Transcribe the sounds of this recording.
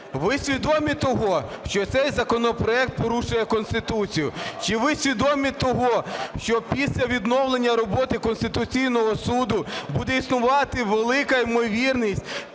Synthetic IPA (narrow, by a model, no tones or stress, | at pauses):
ʋɪsʲʋʲid̪ɔmʲit̪ɔɦɔʃt͡ʃɔt̪sɛjzɐkɔnɔpɾɔɛk̚t̪̚pɔɾuʃʊjɛkɔnst̪ɪt̪ut͡sʲijʊt͡ʃɪʋɪsʲʋʲid̪ɔmʲit̪ɔɦɔʃt͡ʃɔpʲisʲlʲɐʋʲid̪nɔwlˠenʲːɐɾɔbɔt̪ɪkɔnst̪ɪt̪ʊt͡sʲijnɔɦɔsud̪ʊbud̪ɛisnʊʋɑt̪ɪʋelˠɪkɐimɔʋʲirnʲisʲtʲ